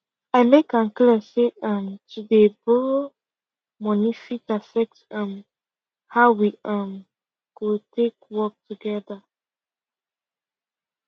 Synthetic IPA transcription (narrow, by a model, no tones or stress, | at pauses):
aɪmekãnkliəseãmtudebɔɹo | mɔnifitafɛk̚tãm | haʊwiãm | ɡ̥otʰek̚wɔk̚tuɡɛda